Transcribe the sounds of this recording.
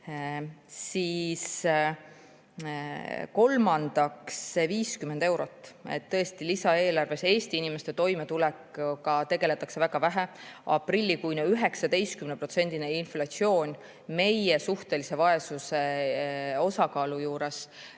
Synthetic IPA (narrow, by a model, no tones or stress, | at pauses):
siːs | ko̞lmɑnd̪̥ɑksviːskymːe̞nd̪̥e̞wɾo̞t̪ːˑe̞̰t̪ːɤ̞e̞st̪ilisɑe̞ːlɑrve̞se̞ːsʲt̪iinimest̪e̞t̪o̞jme̞t̪ulekːkɑt̪e̞ɡe̞le̞t̪ːˑɑkse̞væɡ̥ɑvæɦeɑ̰prilʲːikujnoyɦe̞ksɑd̪e̞jst̪kymnepro̞t̪se̞nʲd̪ineinflɑt̪sio̞ːnʲ | me̞je̞suht̪e̞lise̞vɑe̞suse̞ | o̞sɑkɑːlujuːɾe̞s